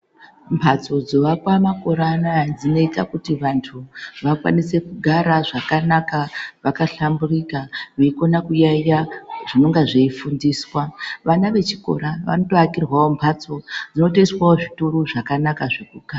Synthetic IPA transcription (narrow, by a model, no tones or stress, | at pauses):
mpʰat͡so̞d͡zo̞ʋakwamako̞ɾanad͡zino̞itakutiʋantʰuʋakwa̰nise̞kuɡʱaɾaʐakanakaʋakaɬamburikaʋeiko̞nakujajaʐ̥ino̞ŋɡaʐeifundiːswaʋanaʋe̞t͡ʃiko̞̰ɾaʋa̰no̞to̞akirwao̞mpʰat͡so̞d͡zino̞teiswaoʐituroʐakanakaʐekuɡʱaa